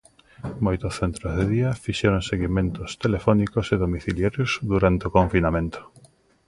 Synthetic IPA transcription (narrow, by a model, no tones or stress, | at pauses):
mojt̪ʊsθent̪ɾozðeðiɐfiʃeɾoŋseɣimẽnt̪ʊst̪elefɔnikoseðomiθiljaɾjozðuɾant̪eokoɱfinamẽnt̪o̥